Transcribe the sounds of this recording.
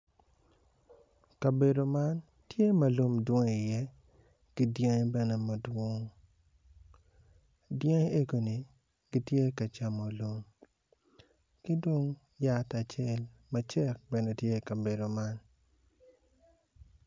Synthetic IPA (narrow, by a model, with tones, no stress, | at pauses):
ka˨be˨do˨ma˦n | tje˦mɐ˨lo˦mdwo˦ŋ˨i˨jɛ˦ | kɪ˦djɛ˦ŋ˦bɛ˨ne˦mɐ˨dwo˦ŋ | djɛ˦ŋ˦e˦ɡo˨ni˨ | ɡi˦tje˦ka˨t͡ʃa˨mo˨lo˦m | kɪ˦do˦ŋ | ja˦ta˨t͡ʃe˦lmɐ˨t͡ʃɛ˦k̚bɛ˨ne˦tje˦kɐ˨be˨do˨ma˦n